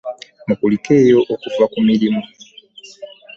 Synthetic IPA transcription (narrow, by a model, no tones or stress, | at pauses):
mukulikejo̞ʔokuvakumilimo